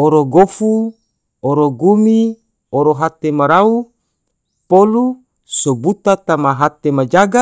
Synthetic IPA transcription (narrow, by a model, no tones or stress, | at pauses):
oɾoɡofu | oɾoɡumi | oɾoɦat̪emaɾau | polu | sobut̪at̪amaɦat̪emad͡ʒaɡa